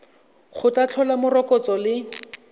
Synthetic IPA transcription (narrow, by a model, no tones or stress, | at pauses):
χʊtat͡ɬʰɔlamʊrɔkɔt͡sɔlɪ